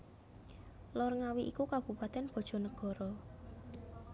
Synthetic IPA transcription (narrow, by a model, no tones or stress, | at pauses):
lɔrŋawiʔikukab̥ṳpat̪ɛnb̥ɔ̤d̥ʒ̥ɔ̤nəɡ̥ɔ̤ɾɔ